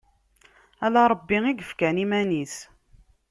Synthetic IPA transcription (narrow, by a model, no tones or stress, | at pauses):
ælaɾˤəbːiŋiɡəfkænimæniθ